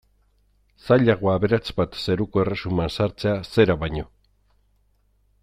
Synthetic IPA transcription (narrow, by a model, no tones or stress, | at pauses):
saʎaɣoaβe̞ɾat͡sbat̪se̞ɾukoe̞re̞sumansaɾt͡se̞ase̞ɾaβajɲo̞